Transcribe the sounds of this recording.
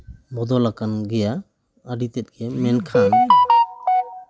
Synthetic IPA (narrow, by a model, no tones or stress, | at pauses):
bɔd̪ɔlakanɡɛja | aɖit̪ɛt̪̚ɡɛmɛnkʰan